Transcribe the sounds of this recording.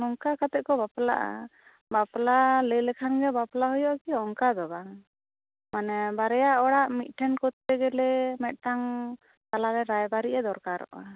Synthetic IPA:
nɔŋkakat̪ɛʔ̚kɔbapla̰ʔa̰ | baplaləjlɛkʰanɡɛbaplaɦɔjɔʔkiɔŋkad̪ɔbaŋ | manɛbaɾɛjaʔɔɽaʔmit̪̚ˀʈʰɛnkɔt̪ːɛɡɛlɛmɛt̪̚ˀʈaŋ | t̪alaɾɛɾajbaɾiʔɛd̪ɔɾkaɾɔ̰ʔa

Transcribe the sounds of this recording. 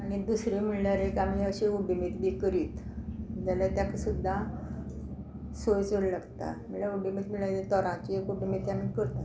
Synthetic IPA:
añid̪usɾim̤iɭlaɾekamiəɕeubimit̪biːkəɾiːt̪d͡ʑalat̪jaksud̪ʱːa | sojt͡suɽlaɡt̪a̰m̤iɭlaubimiːt̪m̤iɭaɾet̪ɔɾãt͡ɕiekubimit̪jamikəɾt̪a

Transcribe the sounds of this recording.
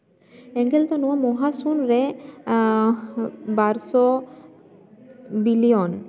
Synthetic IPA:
ɛŋɡelt̪ɔnuamɔɦasunɾe | baɾsɔ | bilion

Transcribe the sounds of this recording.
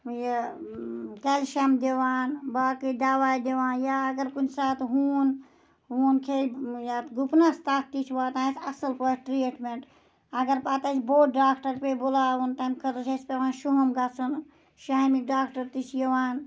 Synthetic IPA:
je | kelʃɐmd̪eʋaːnbaːkid̪aːʋaːjd̪eʋaːnjaːɡəɾkunsaːt̪ʰɦuːn | ɦuːnkʰejat̪ɡupnast̪aːt̪̚ʰt̪it͡ʃʰʋaːt̪ãːsʰɐsəlpəʈɾiʈmeɳʈ | ɐɡəɾpaːt̪ɐt͡ʃʰboːɖaːkʰʈəɾpebolaːunt̪amkʰɐt̪ot͡ʃʰespeʋãːnʃuɦɐmɡasʰun | ʃaːmiɖaːkʈəɾt̪it͡ʃʰjeʋaːn

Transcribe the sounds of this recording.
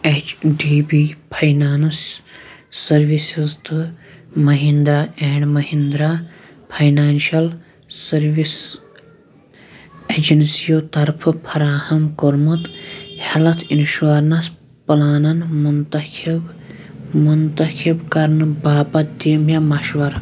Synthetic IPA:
et͡ʃɖiːbipʰɐjnaːnɨsː | ɐɾʋisizt̪ɨmɐɦind̪ɾaːeːɳɖmɐɦind̪ɾaː | pʰɐjnaːnʃɐl | sɐɾʋis | ed͡ʒɐnsijoːt̪ɐɾpʰɨpʰɐɾaːhɐmkoɾmut̪hɐlɐt̪ʰinʃʋaɾnɐs | pɐlaːnɐnmunt̪ɐkib | munt̪ɐkʰibkɐɾnɨbaːpɐt̪̚d̪iːmjamɐʃʋɐɾ

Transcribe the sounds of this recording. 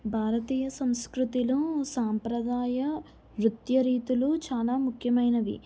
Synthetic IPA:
bʱaːɾɐt̪iːjɐsɐ̃mskɾut̪ilusaːmpɾɐd̪aːjɐ | ʋɾut̪jɐɾiːt̪ulut͡ʃaːlaːmukʰjɐmɐjnɐʋḭ

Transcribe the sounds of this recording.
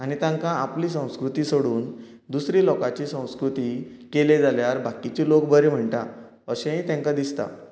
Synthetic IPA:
añit̪ãŋkãapliːsə̃w̃skɾut̪iːsoɽuːn | d̪usɾiːlɔkat͡ɕiːsə̃w̃skɾut̪iː | keled͡zaljaɾbʱakit͡ɕiːlokbəɾem̤əɳt̪a | əɕẽĩt̪ɛ̃ŋkad̪ist̪a̰

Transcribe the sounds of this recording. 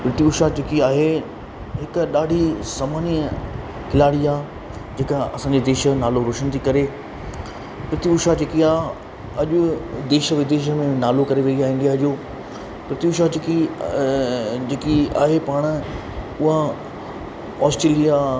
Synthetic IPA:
pɾɪt̪iʊʃat͡ɕeːkiaːɦe | ɦɪkɗaːɖʱisamaːni | kʰɪlaːɽiaː | d͡ʑeːkəɐsãːɲd͡ʑed̪eːʃə̆naːloɾoːʃənt̪ʰikɐɾe | pɾɪt̪iʊʃad͡ʑeːkiaːɦ | ɐʄʊd̪eːʃəʋɪd̪eːʃ̬ə̆mẽnaːlokɐɾeʋeiaːɦĩːn̆d̪iaɦʄoː | pɾɪt̪iʊʃat͡ɕɪki | d͡ʑeːkia̰ːɦepaːɽ̃ | ʊɦa | ɔːsʈɾeːlija

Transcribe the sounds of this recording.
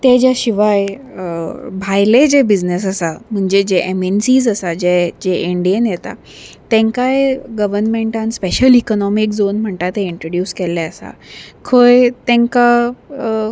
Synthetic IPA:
t̪ed͡ʑjaɕiʋaj | bʱajled͡ʑebid͡znes̬əsam̤əɳd͡ʑed͡ʑeʔemensiːzəsad͡ʑed͡ʑeʔeɳɖienjet̪a̰ | t̪ẽŋkajɡəʋəɾnmeɳʈãnspeɕəlikɔnɔmikd͡zonm̤əɳt̪at̪ẽiɳʈɾoɽjuːskelɛəsa̰kʰojt̪ẽŋka

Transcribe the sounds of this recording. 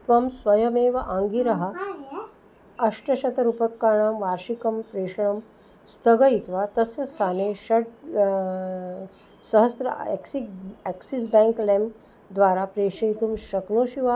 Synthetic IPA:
t̪ʋɐmsʋɐjɐmeːʋɐʔaːŋɡiɾɐɦɐ̆ | ɐʂʈɐʃɐt̪ɐɾupɐkːaːɳaːmʋaːɾʃikɐmpɾeːʂɐɳɐm | st̪ʰɐɡɐjit̪ʋaːt̪ɐsjɐst̪ʰaːneːʃɐɖ | sɐɦɐst̪ɾɐ̰ḛksieksisbɛːŋklem | d̪ʋaːɾaːpɾeːʂɐjt̪umʃɐknoːʃiʋa

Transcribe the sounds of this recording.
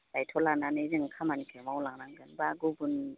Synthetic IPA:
lajtʰɔlananɯzɯŋkʰamanikʰɯmawlaŋnaŋɡɯnbaɡubun

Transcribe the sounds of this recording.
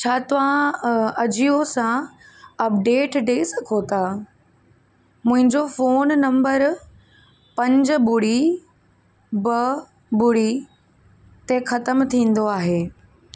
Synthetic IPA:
t͡ɕʰaːt̪ɐʋãɐd͡ʑiosã | ɐp̚ɖeːʈɖeːsɐkʰot̪a | mʊ̃ɦɪ̃ɲd͡ʑofoːnːɐ̃mbəɾ | pɐ̃ɲd͡ʑbʊɽi | bɐ | bʊɽi | t̪exɐt̪əmt̪ʰĩːn̆d̪oaːɦeː

